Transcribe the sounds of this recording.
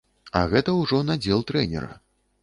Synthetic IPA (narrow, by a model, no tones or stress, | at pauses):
a̰ɣɛt̪ɐwʐɔnad͡zʲɛlˠt̪ɾɛnʲɛ̰ɾɐ̰